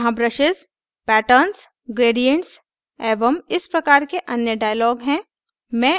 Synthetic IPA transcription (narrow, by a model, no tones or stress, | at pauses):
ɦãbɾəʃɪz | pɛːʈəːns | ɡɾeːɖijə̃ɳʈs | ɛːʋəmɪspɾɐkaːɾkeʔɐnjəɖaːjəlɔːɡɦɛ̃ː | mɛ̃ː